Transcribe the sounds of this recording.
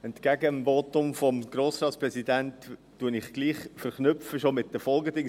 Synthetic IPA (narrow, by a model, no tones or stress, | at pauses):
ɛntkæɡəmvotʊmfɔmɡ̥ɾoːsɾɑːt̪sprɛsidæntː | uənɪχɡ̥liːχfəɾχnʏpfəʃomɪt̚d̥əfɔlɡədɪ